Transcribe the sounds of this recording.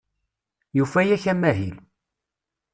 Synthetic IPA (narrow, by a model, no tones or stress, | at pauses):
jufæjæçæmæɦil